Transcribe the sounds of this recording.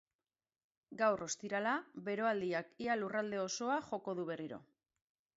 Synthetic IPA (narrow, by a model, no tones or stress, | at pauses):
ɡawrʔo̞st̪iɾalaβe̞ɾo̞ald̪iakialurald̪e̞o̞so̞aʝo̞ko̞ðuβ̞e̞riɾo̞̰